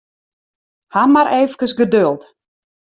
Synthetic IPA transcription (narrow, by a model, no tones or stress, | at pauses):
hamaɾʔeːvəkəsɡədølˠt